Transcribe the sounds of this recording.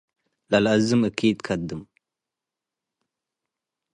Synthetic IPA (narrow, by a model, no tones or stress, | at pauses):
lalazɨməkiːd̪kʰad̪ɨm